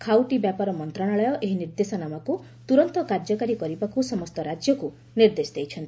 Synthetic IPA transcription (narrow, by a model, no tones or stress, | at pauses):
kʰawʈibjapaɾɔmɔnt̪ɾaɽ̃aɭɔjɔʔeɦiniɾd̪esɔnamɔku | t̪uɾɔnt̪ɔkaɾd͡ʒɔkaɾikɔɾibakusɔmɔst̪ɔɾad͡ʒjɔku | niɾd̪esd̪ejt͡ʃʰɔnt̪i̥